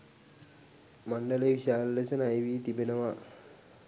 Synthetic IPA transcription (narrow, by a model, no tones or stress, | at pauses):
mɐɳɖɐleʋiɕaːllɐt͡ɕɐnɐjʋiːt̪ibɐnɐʋa